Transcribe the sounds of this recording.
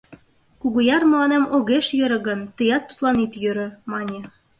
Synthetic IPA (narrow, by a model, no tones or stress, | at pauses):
kuɣujɑrmə̆lɑnemoɣeʃjø̆ɾɤ̆ɣə̆nt̪əjɑt̪ːu̥t̪lɑnit̪jøɾɤ̆mɑnʲĕ